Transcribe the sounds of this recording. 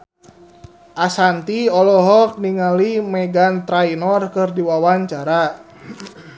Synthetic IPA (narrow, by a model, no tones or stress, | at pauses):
ʔasant̪iɔlɔɦɔk̚niŋalimɛɡant̪ɾajnɔrkɨrdiwawaɲt͡ʃaɾa